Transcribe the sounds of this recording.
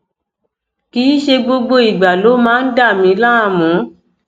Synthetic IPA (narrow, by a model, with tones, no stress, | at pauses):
kiː˨˦ʃe˧ɡ͡bo˧ɡ͡bo˧i˨ɡ͡ba˨lo˨˦mãː˦n̩˦da˦˨mĩ˧˦la˦a˧˨mũ˨˦